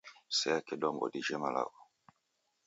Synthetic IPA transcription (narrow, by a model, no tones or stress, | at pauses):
sɛjakɛdɔŋɡɔ̰diʒɛmala̰wɔ